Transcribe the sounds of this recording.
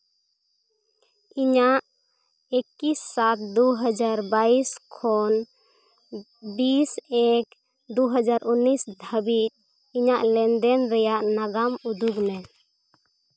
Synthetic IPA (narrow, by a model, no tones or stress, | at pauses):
iɲaʔ | ekisːat̪̚d̪uɦəd͡ʒaɾbaiskʰɔn | bisɛk | d̪uɦəd͡ʒaɾunːisd̪ʱəbit̪̚ˀ | iɲaʔlɛnd̪ɛnɾɛjaʔnaɡamud̪uɡnɛ